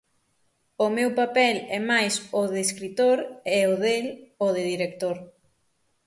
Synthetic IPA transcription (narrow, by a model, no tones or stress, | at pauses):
ʊmewpapɛlɛmajsoðeskɾit̪oɾɛoðeloðɪðiɾek̚t̪oɾ